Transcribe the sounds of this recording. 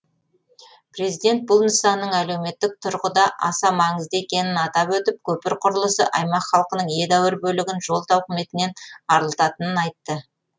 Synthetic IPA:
pɾe̞zijd̪e̞nt̪̚bʊlˠnəsɑnːəɴæle̞wme̞t̪ːɪk̚t̪ʰʊɾqəd̪ɑʔɑ̰sɑmɑɴəzd̪əekʲe̞nɪnɑt̪ɑpwɵt̪ɪp̚kʲʰɵpɪɾqʰʊɾəlˠəsə̰ʔɑjmɑqχɑlˠqənəɴje̞d̪æwɪɾbɵlɪɡʲɪnʒo̞lˠt̪ɑwqɪme̞t̪ɪne̞nɑɾəlˠət̪ɑt̪ənənɑjt̪ːə

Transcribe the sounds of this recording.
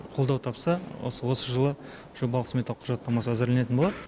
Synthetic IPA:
qʰo̞lˠd̪ɑwt̪ʰɑpsɑwo̰səwo̞səʒəlˠə | ʒ̥o̞bɑləqsmʲet̪ɑlˠəqʰʊʒɑt̪ːɑmɑsəæzɪɾlenet̪ɪnbolˠɑd̪ə

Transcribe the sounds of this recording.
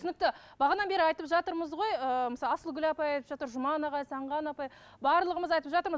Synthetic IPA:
ʏnɪk̚t̪ɪb̥ɑʁɑnɑnbe̞ɾɪɑjt̪əpʒɑt̪əɾməzʁo̞jəməsɑlˠɑsəlˠɡʲʏlɑpɑjɑjt̪əpʒɑt̪əɾʒʊmɑnɑʁɑjsɑɴʁɑnɑpɑj | bɑɾlˠəʁəməzɑjt̪əpʒɑt̪əɾmə

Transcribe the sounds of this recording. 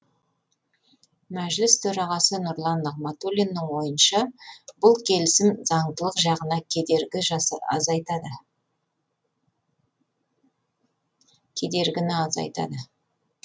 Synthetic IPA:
mæʒlɪst̪ʰɵɾɑʁɑsənʊɾlˠɑnːɑqmat̪olʲinːɪɴwo̞jənʃɑb̥ʊlˠkʲʰe̞lɪsɪmzɑɴd̪əlˠəqʒɑʁənɑkʲʰed̪e̞ɾɡʲɪʒɑ̰zɑjt̪ɑd̪ə | kʲʰe̞d̪e̞ɾɡʲɪnɪɑzɑ̰jt̪ɑ̰d̪ə

